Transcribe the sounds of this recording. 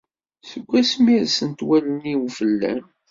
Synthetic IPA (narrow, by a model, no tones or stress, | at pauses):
səɡʷːæsmiɾsənt̪wæləniwfəlːæ̰n